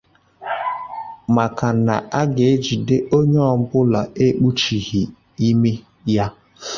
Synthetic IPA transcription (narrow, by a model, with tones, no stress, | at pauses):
ma˨ka˨na̰˨ʔa˦ɡe˨e˦d͡ʒi˨de˦ʔo˦ɲe˦ɔ˨m̩˦bʊ˦la˨e˦k͡pu˦t͡ʃi˨ɣi˨ | i˦me˦ | ja˦